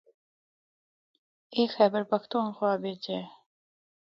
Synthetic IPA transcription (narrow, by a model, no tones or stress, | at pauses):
eːxɛːbəɾpɐxt̪uːnxwaːbeːt͡ʃeː